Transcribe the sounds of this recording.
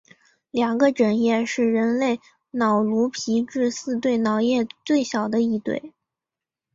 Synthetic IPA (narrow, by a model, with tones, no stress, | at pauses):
ljɑ˨˩ŋɡə˦ʈ͡ʂə˨˩njɛ˥˧ʂɻ̩˥˩ɻə˧˥nle˥˩ɪ | nɑ˨˩ʊlu˧˥pʰi˧˥ʈ͡ʂɻ̩˥˧sɹ̩˥˧t̪̬we˥˩ɪnɑ˨˩ʊjɛ˥˧t͡swe˥˩ɪɕjɑ˨˩ʊd̪ə˦i˥˧t̪wḛ˥˩ɪ